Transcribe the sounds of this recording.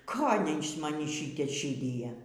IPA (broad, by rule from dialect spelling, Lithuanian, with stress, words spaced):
ˈkoːlʲɛɪ ɪʃ mɐˈnʲiː ˈʃʲɪtʲɛ ˈʃʲiːdʲɪjɛ